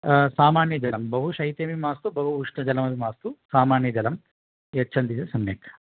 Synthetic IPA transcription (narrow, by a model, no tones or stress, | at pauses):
saːmaːɳjɐd͡ʒɐlɐmbɐɦuʃɐjt̪eːmimaːst̪ubɐɦuɦuʂnɐd͡ʒɐlɐmɐʋimaːst̪usaːmaːɳjɐd͡ʒɐlɐm | jet͡ʃʰːɐnd̪it̪esɐmjeːk